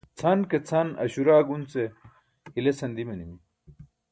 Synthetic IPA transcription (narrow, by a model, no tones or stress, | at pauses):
t͡sʰɐnket͡sʰɐnɐ̰ɕuɾaːɡunt͡se | hilesɐnd̪imɐnimi